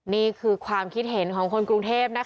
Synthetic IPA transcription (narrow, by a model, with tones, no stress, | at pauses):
niː˥˩kʰɯː˧kʰwaː˧mkʰi˦˥t̪̚ɦe˩˦nkʰɔː˩˦ŋkʰo˧nkɾu˧ŋt̪ʰeː˥˩p̚na˦˥